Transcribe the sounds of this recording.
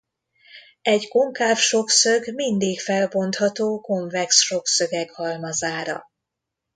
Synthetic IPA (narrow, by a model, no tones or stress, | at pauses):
ɛɟko̞ŋkaːfʃo̞ksøɡmind̪iːkfɛlbo̞nt̪hɒt̪oːko̞ɱvɛksʃo̞ksø̞ɡɛkhɒlmɒzaːɾɒ̰